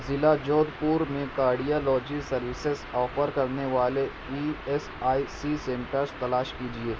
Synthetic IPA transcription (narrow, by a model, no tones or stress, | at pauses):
zɪlad͡ʒoːd̪puːɾmẽkaːɾɖijalɔːd͡ʒisɐɾʋɪsesɔːfəɾkɐɾneʋaːle | ies | aːisisẽɳʈəɾst̪ɐlaːʃkid͡ʒieː